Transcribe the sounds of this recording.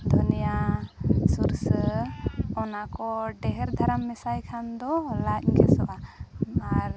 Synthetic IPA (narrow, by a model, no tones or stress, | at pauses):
d̪ʱɔnija | suɾsə | ɔnakɔɖɛɦɛɾd̪ʱaɾamːɛsajkʰand̪ɔlac̚kɛsɔʔa | aɾ